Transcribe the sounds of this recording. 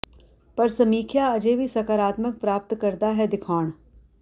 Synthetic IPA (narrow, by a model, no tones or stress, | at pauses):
pɐɾsɐmiːkʰjaɐd͡ʒeːbʱisɐkaːɾaːt̪mək̚pɾaːp̚t̪kɐɾd̪aɦɛd̪ɪkʰaːɽ̃